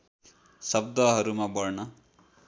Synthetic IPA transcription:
sʌb̚d̪ʌɦʌɾumãbʌɾɳʌ

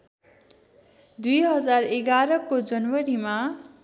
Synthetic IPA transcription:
d̪ujɦʌd͡zareɡaɾʌkod͡zʌnwʌɾima

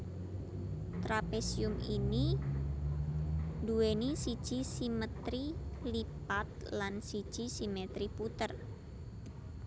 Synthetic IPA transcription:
t̪ɾapesiʊmini | duwenisid̥ʒ̥i̤simət̪ɾilipat̪̚lansid̥ʒ̥i̤simet̪ɾiput̪ər

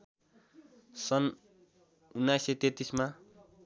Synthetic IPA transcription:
sʌn | unːajsjet̪et̪isma

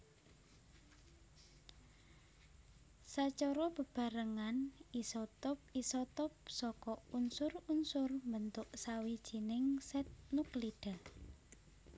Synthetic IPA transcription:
sat͡ʃɔɾɔb̥ə̤b̥a̤ɾəŋanisɔt̪ɔp̚isɔt̪ɔp̚sɔkɔunsʊrunsʊrmbənt̪ʊʔsawid̥ʒ̥i̤nɪŋsɛt̪̚nukliɖ̥a

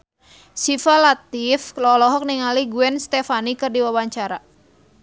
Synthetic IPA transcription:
sifalat̪iflɔlɔɦɔk̚niŋaliɡuɛnst̪ɛfanikɨrdiwawaɲt͡ʃaɾa

